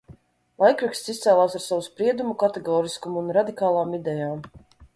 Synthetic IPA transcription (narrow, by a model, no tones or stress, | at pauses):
lˠajkɾakst̪sist̪sɛːlˠaːsaɾsavuspɾiɛd̪umukat̪ɛɡɔːɾiskumːnɾad̪ikaːlˠaːmid̪ɛjaːm